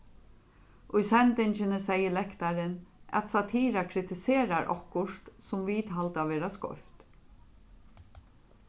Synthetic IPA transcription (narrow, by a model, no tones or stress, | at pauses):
ʔʊjsɛnt̪ɪnt͡ʃɪnəsɛjəlɛkt̪aɾɪna̰t̪sat̪ʰiːɾakʰɾɪt̪ɪseːɾaɾʔɔ̰kːʊʂt̪sʊmʋiːt̪ɦalt̪aʋeːɾaskɔ̰ft̪